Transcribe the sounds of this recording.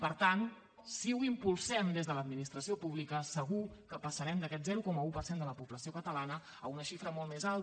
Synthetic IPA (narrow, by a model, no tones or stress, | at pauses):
pəɾt̪an | siuimpulˠsɛmd̪ezðələːd̪minist̪ɾəsiopuβlikəsəɣukəpəsəɾɛmd̪əkɛt̪zɛɾukɔməupərsend̪ələpuβləsiokət̪əlanə | əunəʃifɾəmɔlˠt̪mezalˠt̪